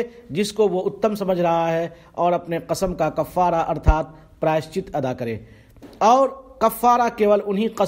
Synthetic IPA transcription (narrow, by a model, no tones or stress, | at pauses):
d͡ʒɪskoʋoʊt̪ːəmsɐməd͡ʒʱɾɐɦaɦɛ | ɔːɾɐpneqɐsəmkakɐfːaːɾaʔɐɾt̪ʰaːt̪̚ | pɾaːʃt͡ʃɪt̪ɐd̪akɐɾḛː | ɔːɾkɐfːaːɾakeːʋəlʊnɦiqɐ